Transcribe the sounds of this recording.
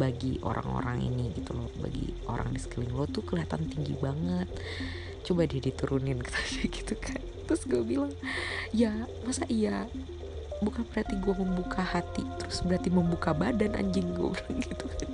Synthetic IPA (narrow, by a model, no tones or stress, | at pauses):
baɡiʔo̰ɾa̰ŋo̰ɾa̰ŋḭniɡit̪ulɔhba̰ɡḭo̰ɾa̰ŋdisə̥kəlɪŋlɔt̪ukəliɦat̪ant̪iŋɡḭbaŋət̪̚ | t͡ʃobadiadit̪uɾunɪnkə̥t̪ʰḁd͡ʒaɡi̥t̪ukʰant̪ɾʊsɡuabilaŋjamasaʔija | bukanpəɾhat̪iɡuaməmbukʰahat̪it̪əɾʊsbəɾart̪iməmbukabadana̰ɲd͡ʒɪŋɡua̰bɾaŋɡit̪ukan